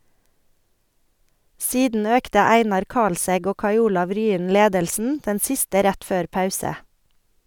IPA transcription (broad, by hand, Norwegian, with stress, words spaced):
ˈsiːdn̩ ˈøːktə ˈæɪnɑɾ ˈkɑlsɛɡ ˈoː ˈkɑɪ ˈuːlɑʋ ˈɾyːən ˈleːdəlsn̩ ˈdɛn ˈsɪstə ˈɾæt ˈføːɾ ˈpɑʉsə